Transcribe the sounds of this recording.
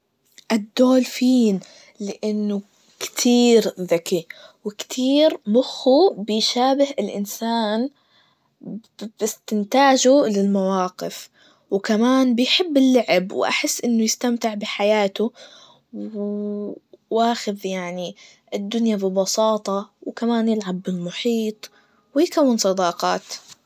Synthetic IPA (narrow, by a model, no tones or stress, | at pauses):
ʔɪd̪ːoːlfiːn | lɪʔɪnːʊ | kt̪ʰiːɾðakiwɪkt̪ʰiːɾmʊxːubɪjʃaːbɪhɪlʔɪ̰nsaːn | bɪst̪ɪnt̪aːd͡ʒulɪlmawɑːqɪf | wkamaːnbɪjħɪbːɪlːaʕɪbwʔa̰ħɪsːʔɪnːʊjɪst̪amt̪ɪʕbɪħajaːt̪ʊ | w | waːxɪðjaʕni | ʔɪd̪ːʊnjabɪbɑsɑːt̪ˤɑwkamaːnjɪlʕabːɪlmʊħiːt̪ˤ | wɪjkawːɪnsˤɑd̪ɑːqɑːt̪